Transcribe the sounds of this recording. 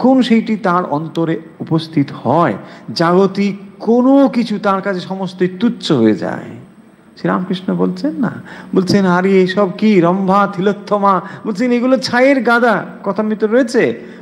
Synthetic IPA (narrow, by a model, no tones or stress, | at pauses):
kʰonʃejʈit̪aɾɔ̰nt̪oɾe | upost̪ʰit̪ohɔed͡ʑaɡot̪ikonokit͡ɕʰut̪aɾkat͡ɕʰeʃɔmost̪ejt̪utːɕoɦoed͡ʑa̰e | ʃiɾa̰mkɾiʃnobolt͡ɕʰenːa̰bolt͡ɕʰenɦaɾiejʃɔb̚kiɾɔmbʱat̪ʰilot̪ʰːɔmabolt͡ɕʰeneɡulot͡ɕʰajeɾɡad̪akɔt̪ʰamit̪ːɾoɾoet͡ɕʰe